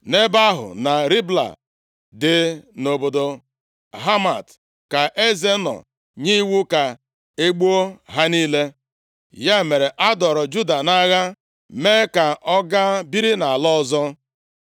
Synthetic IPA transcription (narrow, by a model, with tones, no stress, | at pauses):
ne˦ba˦ɦʊ̰˨na˨ɾi˦bla̰˨ | dɪ˨no˨bo˨do˨ | ɦa˦ma˨t | ka˨ʔe˦ze˦nɔ̰˨ | ɲi˦wu˦ka˨ | e˦ɡ͡bo˦o˦ɦa˦niː˦le˦ | ja˦˨me˨ɾe˨ʔa˦dɔ˨ɾɔ˨d͡ʒu˦da˨na˦ɣa˦ | me˦ka˨ʔɔ˦ɡa˦bi˦ɾi˦na˨a˨lɔ˦zɔ˦